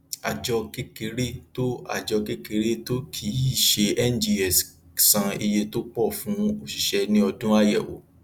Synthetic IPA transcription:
a̰˨d͡ʒɔ˧ke˦ke˧˦ɾe˦to˦a̰˨d͡ʒɔ˧ke˦ke˧ɾe˦to˦kʰi˨˦i˦˨ʃe˧ɛ˦n˦d͡ʒi˧ɛ˨s | sã˧i˧je˧to˦k͡pɔ˦˨fũ˨˦o˦˨ʃi˨ʃɛ˧nĩ˦ɔ˧dũ˦a˦jɛ̰˦˨wo̰˨˦

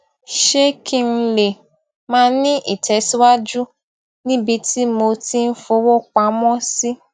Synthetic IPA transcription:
ʃe˦kʰi˦n̩˦˧le˨ | mãː˦nĩ˦ʔḭ˨tʰɛ˨˦si˦wa˦d͡ʒu˦ | nĩ˦bi˧ti˦mo˧ti˦n̩˦fo˨˦wo˦k͡pa˨mɔ̃˦si˦

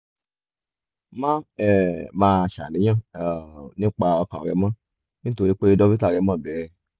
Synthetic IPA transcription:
mã˦ɛ˦˨mãː˧˨ʃa̰˨nĩ˨˦j̃ã˦˨ | nĩ˦k͡pa˧ɔ˧kã̰˨ɾɛ̰˨˧˦mã˦ | nĩ˦to˨ɾi˦k͡pe˦i˧dɔ˧bi˦ta˦˨ɾɛ˨˧˦mã˦˨bɛ˨˦

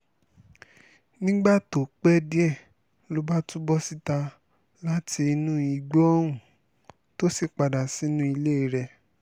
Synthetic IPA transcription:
nĩ˦ɡ͡ba˦˨to˨k͡pɛ˦di˦ɛ˦˨ | lo˨˧ba˦tũ˦bɔ˦si˦ta˧ | la˦ti˧nũ˦i˧ɡ͡bɔ˦ɔ˦ɾ̃ũ˨ | to˦si˦˨k͡pa˨da˨si˨˦nũ˦i˧le˦i˧˨ɾɛ˧

